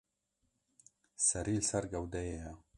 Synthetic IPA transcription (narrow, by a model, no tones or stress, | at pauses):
sɐɾilsɐɾɡawd̪ajeja